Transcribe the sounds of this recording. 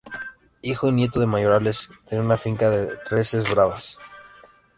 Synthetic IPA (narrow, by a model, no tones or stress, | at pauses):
ixoinje̞t̪oðe̞maʝo̞ɾale̞st̪eneunafiŋkaðerresezβɾaβas